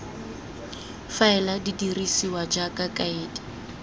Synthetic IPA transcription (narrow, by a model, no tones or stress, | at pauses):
faɛladidirisiwad͡ʒakʼakʼaiːdḁ